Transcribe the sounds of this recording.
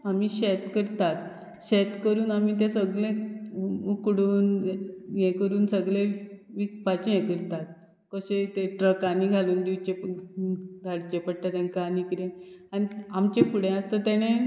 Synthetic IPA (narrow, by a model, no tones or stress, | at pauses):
amiːɕet̪kəɾt̪at̪ | ɕet̪kəɾuːnamiːt̪ẽsəɡlẽ | ukɽuːnjɛ̃kəɾuːnsəɡɭẽʋikpat͡ɕejɛ̃kəɾt̪at̪̚ | kəɕet̪eʈɾəkaniɡʱaluːnd̪iʋt͡ɕep | d̪ʱaɽt͡ɕepəɽt̪at̪ãnkanikiɾẽañiamt͡ɕefuɽẽəst̪ət̪ɛɽ̃e